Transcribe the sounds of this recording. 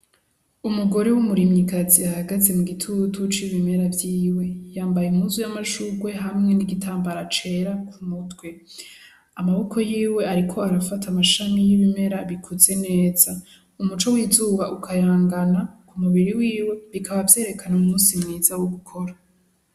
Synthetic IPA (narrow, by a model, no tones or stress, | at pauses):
umuɡo̞ɾewumuɾimɲikaziahaɡaze̞muɡitʰutʰut͡ʃiβime̞ɾavjiːwe̞jaːmbajeumuzujamaʃuɡwe̞ɦamŋe̞niɡitʰaːmbaɾat͡ʃe̞ɾakʰumutɡwe̞ | amaβo̞kʰo̞jiːwe̞aɾikʰo̞aɾafatamaʃamijiβime̞ɾaβikʰuze̞ne̞ːza | umut͡ʃo̞wiːzuːβaʔukʰajaːŋɡanakʰumuβiɾiwiːwe̞βikʰaβavje̞ːɾe̞kʰanaumuːnsimŋiːzawoɡukʰo̞ɾa